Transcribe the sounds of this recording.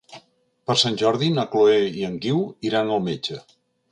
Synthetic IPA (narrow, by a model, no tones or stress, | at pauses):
pəɾsanʲʒɔɾðinəkloeiəŋɡiwiɾanəlˠmed͡ʒə